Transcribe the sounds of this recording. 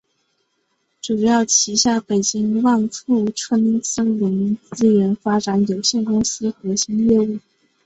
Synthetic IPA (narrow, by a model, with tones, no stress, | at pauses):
ʈ͡ʂu˨˩jɑ˥˩ʊt͡ɕʰi˧˥ɕja˥˩pe˨˩ɪt͡ɕi˥ŋwa˥˧nfu˥˩ʈ͡ʂʰɤ˥˩mi˥ŋsə˥lə˧˥mi˧˥ŋt͡sɹ̩˥ɥɛ˧˥nfa˥ʈ͡ʂa˧˥njo˨˩ʊɕjɛ˥˩nkʊ˥ŋsɹ̩˥xɤ˧˥ɕi˧˥ŋjɛ˥˧u˥˩